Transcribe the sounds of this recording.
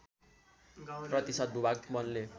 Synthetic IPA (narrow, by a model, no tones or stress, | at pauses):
prʌt̪isʌd̪̚bʱubaɡmʌnle